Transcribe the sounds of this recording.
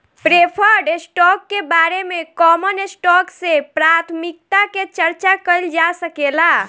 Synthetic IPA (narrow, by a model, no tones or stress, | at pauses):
pɾepʰəɾɖesʈɔkːebaɾemekɔmənesʈɔksepɾat̪ʰmik̚t̪aket͡ʃəɾt͡ʃakəjld͡ʒasəkela